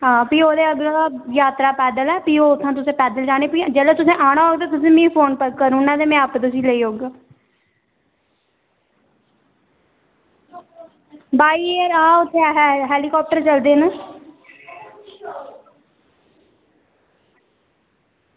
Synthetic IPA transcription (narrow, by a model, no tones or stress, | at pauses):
ɦãːpiːoːd̪eːəɡlãːjaːt̪ɾaːpɛːd̪əlɛːpiːoːʊt̪ʰːãːt̪ʊsẽːpɛːd̪əld͡ʒaːɽ̃eːpiːd͡ʒɛːlːt̪ʊsẽːʔaːɽ̃aːoːɡt̪̬eːt̪ʊsĩːmĩːpʰoːnpəkəɾuːnãːt̪eːmɛ̃ːəpt̪ʊsĩːləiːoːɡaː | baːiːeəɾaːʊt̪ʰːẽɦɦɛːliːkɔːp̚ʈəɾt͡ʃəld̪eːnaː